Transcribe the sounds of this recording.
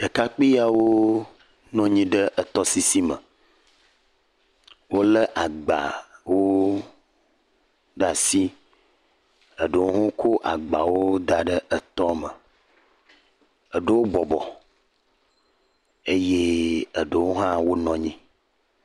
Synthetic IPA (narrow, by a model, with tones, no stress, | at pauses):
ɖ̥ə˨ka˦k͡pi˦ja˨wo˦ | nɔ̃˦ɲĩ˦ɖə˦ʔə˨t̪ɔ˦si˦si˦mə̰̃˨ | wo˦lə˦ʔa˨ɡ͡ba̰˨wo˦ | ɖa˨si˦ | ə˨ɖə˨wo˦ɦũ˦kʰo˦ʔa̰˨ɡ͡ba˨wo˦d̪a˨ɖə˦ʔə˨t̪ɔ˦mə˨ | ə˨ɖə˦wo˦bɔ˨bɔ˨ | e˦je˦ə˨ɖə˨wo˦ɦã˦wo˦nɔ̃˨ɲĩ˦